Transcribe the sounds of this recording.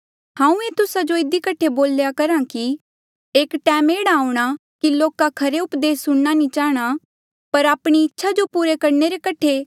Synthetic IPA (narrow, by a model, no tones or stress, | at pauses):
hãːũet̪ʊsad͡ʒoɪd̪ikɐʈʰeboːljakɐɾãki | eːkʈɛ̃ːmeːɽaːuɽ̃a | kiloːkakʰɐɾeʊpd̪eːsʊɽnanĩt͡ʃaːɦɽ̃a | pɐɾaːpɽ̃iɪtːʃʰad͡ʒopuːɾekɐɾneɾekɐʈʰe